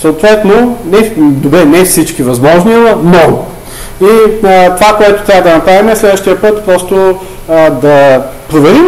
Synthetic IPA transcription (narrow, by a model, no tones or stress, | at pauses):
sɐot̪vɛt̪nonɛd̪obɾɛnɛfsit͡ʃkivɐzmɔʒnilˠəno | it̪ovakoɛt̪ʊ̥t̪ɾʲavəd̪ɐnɐpɾavimɛslɛd̪vəʃt̪ijəpɤt̪pɾɔst̪o | d̪ɐpɾovɛɾim